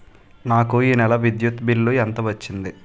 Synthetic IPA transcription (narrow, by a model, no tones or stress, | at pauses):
naːkuiːnɛlɐʋid̪jut̪bilːuɛnt̪ɐʋɐt͡ʃːind̪i